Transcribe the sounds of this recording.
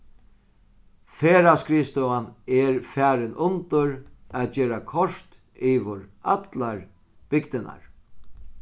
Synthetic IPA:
feːɾaskɾiːst̪ɔanɛɹfæːɾɪnʔʊnt̪ʊɾæːt͡ʃeːɾakʰɔɾ̥t̪ | iːʋʊɹa̰t̪laɹ | b̥ɪkt̪ɪna̰ɹ

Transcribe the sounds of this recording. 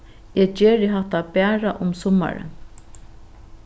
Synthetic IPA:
jɛt͡ʃeːɾɪɦaht̪apɛːɹaʔʊmsʊma̰ɹə̰

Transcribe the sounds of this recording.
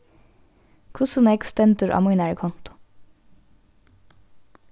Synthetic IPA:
kʰʊsʊnɛkst̪ɛnt̪ʉɾʔɑ̰ːmuːnæːɹəkʰɔnt̪ʊ̥

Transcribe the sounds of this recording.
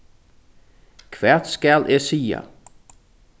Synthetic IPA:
kʰʋæt̪skælʔesiːə̰

